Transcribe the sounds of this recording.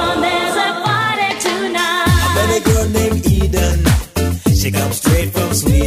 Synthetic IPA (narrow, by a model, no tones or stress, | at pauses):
nðəzəfaɾitʰunalɛɾɨɡɜdⁿnẽɪ̃midn | ʃikʰʌ̃mzstɹ̥eɪtfɹʌ̃mswi